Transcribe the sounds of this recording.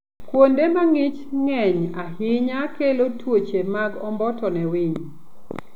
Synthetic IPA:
kwondemaŋɪt͡ʃŋɛɲahɪɲakelotwot͡ʃemaɡɔmbɔtɔnɛwɪɲ

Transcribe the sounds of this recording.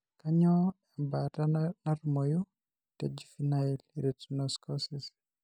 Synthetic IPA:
kaɲɔ | ɛmbatanaɾmɔju | tɛd͡ʒifinailɾɛtunɔskɔsis

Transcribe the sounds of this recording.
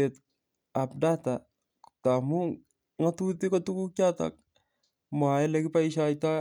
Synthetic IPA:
ɛt | apdata | tamu | ŋatutikɔtukukata̰k̚ | maɛlɛkɪpaiʃajta

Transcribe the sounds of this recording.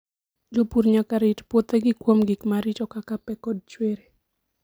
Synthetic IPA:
d͡ʒopuɾɲakaɾitpot̪ɛɡɪkwomɡɪkmaɾɪt͡ʃɔkakapɛkɔd̚t͡ʃweɾe

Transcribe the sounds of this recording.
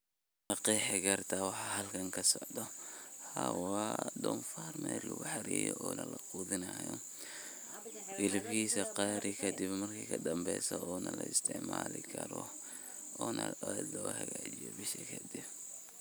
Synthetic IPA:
mɑqiːħɛɡɐrt̪ʰɐwɑħɑːɦɐlkʰɐŋkʰɐsɔʕd̪ɔhawɑd̪ɔnfarmɛːlʊɣʊħɑɾiːjɔ̰ʔɔːnɐlɐquːðɪnɐjɔ | ʔɪlɪbkiːsɐqɑːɾɪkʰɐd̪ɪbmɐrkʰiːkʰɐd̪ɐmbɛːsɔɔːnɐlɐɪst̪ʰɪʕmaːlɪkʰɐɾɔ | ɔːnɐd̪ɔhɐɣaːt͡ʃijɔbɪʃikʰɐd̪ɪb

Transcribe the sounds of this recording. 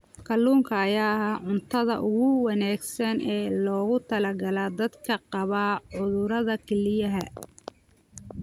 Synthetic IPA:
kʰɐlːuːŋkʰɐːjaːɦaːʕʊnt̪ʰɐðɐ̰ʔʊɣʊwɑnaːɡsɐnɛːlɔːɣʊt̪ʰɐlɐɡɐlaːd̪ɐd̪kʰɐqɑβaʕʊðʊɾɐðɐkʰɛlɪjɐɦɐ

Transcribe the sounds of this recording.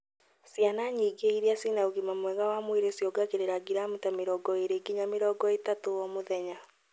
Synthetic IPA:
sjanaɲiːɡeiɾiasinauɣimamwɛɣawamweɾesjɔɡaɣeɾeɾaɡiɾamutameɾɔːɡɔeɾeɡiɲameɾɔːɡɔetatowɔmoðɛɲa

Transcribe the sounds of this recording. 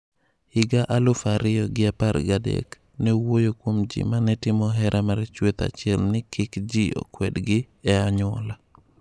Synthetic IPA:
hɪɡaʔalʊfaɾɪɔɡɪaparɡadɛ̰k | nɛwojokwomd͡ʒḭmanɛtɪmɔɦɛɾʔamart͡ʃwet̪a̰t͡ʃɪɛlnɪkɪkd͡ʒio̰kwɛdɡɪ | ɛaɲwɔ̰la

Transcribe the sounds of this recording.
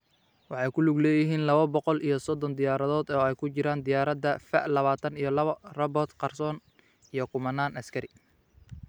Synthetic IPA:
wɑħɑjkʰʊlʊɡlɛːjɪɦiːnlɐβɐbɔqɔlʔijɞsɔd̪ɔnd̪ɪjaːɾɐðɔːd̪ɔːɛjkʰʊt͡ʃɪɾaːnd̪ɪjaːɾɐd̪ɐfɐʔlɐβaːt̪ʰɐnijɔlɐβɐrɐbɔt̪qɑrsɔːn | ijɞkʰʊmɐnaːnɐskʰɐɾɪ

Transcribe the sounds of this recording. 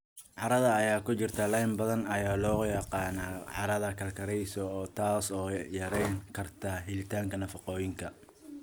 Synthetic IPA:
ʕɑɾɐðɐːjaːkʰʊt͡ʃɪrt̪ʰɐlɐjmbɐðɐnɐjaːlɔːjɐqɑːnaːʕɑ̰ɾɐðɐkʰɐlkʰɐɾɛjsɔːt̪ʰaːsɔːjɐɾɛjŋkʰɐrt̪ʰɐɦɪlɪt̪ʰaːŋkʰɐnɐfɑqɔːjɪŋkʰɐ

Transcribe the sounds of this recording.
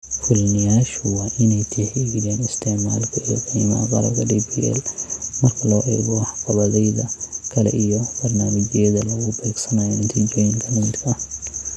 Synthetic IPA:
fʊlnɪjaːʃʊwɑːʔɪnɛjt̪ʰɪħɪɣɪjɛːnɪst̪ʰɛʕmaːlkʰɐijɔqiːmɐɐqɑ̰ɾɐ̰bkʰɐɖiːbiʔɛ̰lmɐrkʰɐlɔːʔɛ̰ːɡɔħɑqɑβɐðɛjðɐkʰɐlɛ̰ʔijɔb̥ɐrnaːmɐt͡ʃɪjɐðɐlɐɣʊbɛːɡsɐnajɔnɪt̪ʰiːd͡ʒɔːjɪŋkʰɐlɪnt̪kʰɐ

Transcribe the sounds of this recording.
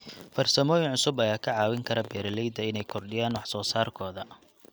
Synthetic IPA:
fɐrsɐmɔːjɪnʕʊsʊbɐjaːkʰɐʕɑːwɪŋkʰɐɾɐbɛːɾɐlɛjd̪ɐɪnɛjkʰɔrɖɪjaːnwɑħsɔːsaːrkʰɔːðɐ

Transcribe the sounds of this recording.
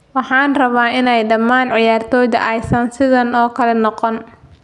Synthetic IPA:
wɑħɑːnrɐβaːɪnɛjɖɐmaːnʕɪjaːrt̪ʰɔːjðɐ̰ʔɐjsɐnsɪðɐnɔːkʰɐlɛnɔqɔn

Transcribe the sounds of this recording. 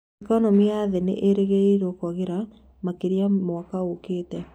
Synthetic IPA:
ikɔnɔmiaaːðenḛʔeɾeɣeiɾokɔɣeɾa | makeɾjamwakaokeːtɛ

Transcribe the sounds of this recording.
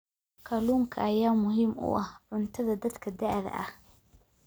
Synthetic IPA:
kʰɐluːŋkʰɐʔɐjaːmʊɦiːmʔʊ̰ʔɐhʕʊnt̪ʰɐðɐd̪ɐd̪kʰɐd̪aʕðɐ̰ʔɐ̰h

